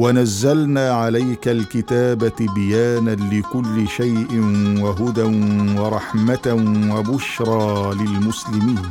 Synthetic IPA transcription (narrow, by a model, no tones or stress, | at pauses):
wanazːalnaːʕalajkalkɪt̪aːbabɪjaːnalɪkʊlːɪʃajʔɪnwaɦʊd̪anwɑɾˤɑħmat̪awabʊʃɾˤɑːlɪlmʊslɪmiːn